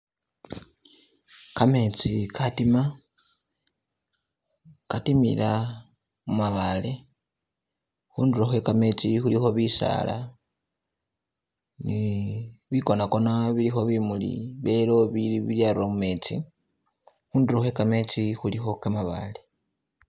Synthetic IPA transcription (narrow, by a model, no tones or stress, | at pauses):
kame̞t͡sikʰatima | katimḭla | mumaβale̞ | xuːndiɾoxwe̞kame̞t͡sixulixo̞βisa̰ːla̰ | ni | βiko̞nako̞naβilixo̞βimulḭβelo̞βiliβiljaɾomume̞ːt͡sḭ | xuːndiɾoxwe̞kame̞t͡sixulixo̞kamaβa̰le̞